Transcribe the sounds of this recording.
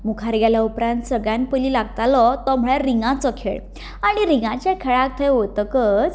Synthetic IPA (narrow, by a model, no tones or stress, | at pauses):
mukʰaɾɡalaupɾãnt̪səɡɭjanpəliːlaɡt̪alɔt̪ɔm̤ɭɛɾiŋɡãt͡sɔkʰḛɭ | aɽ̃iɾiŋãt͡ɕjakʰeɭak̚t̪ʰəjɦot̪əkət͡s